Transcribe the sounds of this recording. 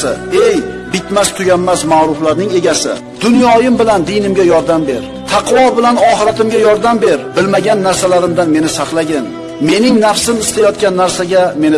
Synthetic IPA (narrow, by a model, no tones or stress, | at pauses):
ɪejbɪt̪mast̪ʰʊɡʲamːasmaɾʊflaɾnɪŋe̞ɡʲasɪ̰ | d̪̥ʊnjɒjɪmbɪland̪ɪjnɪmɡʲajɒɾd̪ambe̞ɾ | t̪ʰɑqwɒbɪlanɒχɪɾat̪ʰɪmɡʲajɒɾd̪ambe̞ɾbɪlmaɡʲanːaɾsalaɾɪmd̪anme̞nɪsɑqlˠaɡʲan | me̞nɪŋnafsɪmɪst̪ajɒt̪̚kʲanːaɾsaɡʲame̞nɪ